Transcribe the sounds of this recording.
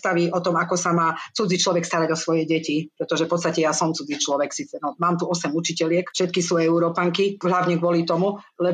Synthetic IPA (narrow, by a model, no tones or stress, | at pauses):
t̪aʋiʔɔt̪ɔmakɔsamaːt͡sud͡zit͡ʃlɔʋɛkst̪aɾaɟɔsʋɔjɛɟɛcipɾɛt̪ɔʒɛfpɔt̪st̪acɛjasɔmt͡sud͡zit͡ʃlɔʋɛksiːt͡sɛnɔmaːmt̪uɔsɛmut͡ʃicɛlɪɛkfʃɛt̪kisuːɛuɾɔpaŋkiɦlaʊɲɛɡʋʊɔlit̪ɔmulɛ